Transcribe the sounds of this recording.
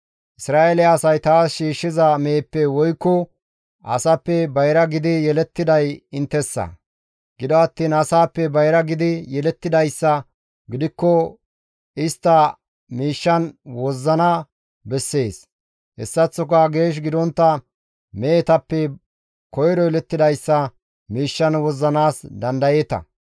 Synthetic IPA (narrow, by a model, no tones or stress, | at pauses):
ʔɪsɾaːʔelɪɐsɐjt̪aːsʃiːʃːɪzɐmeːpːɛwɔjkːɔ | ʔɐ̰sɐpːɛbɐjɾɐɡɪd̪ɪjɛlɛt̪ːɪd̪ɐjɪnt̪ːɛsːɐ̰ | ɡ̥ɪd̪ɔɐt̪ːiːnɐsaːpːɛbɐjɾɐɡɪd̪ɪjɛlɛt̪ːɪd̪ɐjsːɐ | ɡɪd̪ɪkːɔ | ɪst̪ːɐ | miːʃːɐnwɔzːɐnɐ | bɛsːe̞ːs | hɛsːɐt͡sːɔkɐɡe̞ːʃ̬ɡɪd̪ɔnt̪ːɐ | meːt̪ɐpːɛ | kɔjɾɔjɛlɛt̪ːɪd̪ɐjsːɐ | miːʃːɐnwɔzːɐnaːsd̪ɐnd̪ɐjeːt̪ɐ̰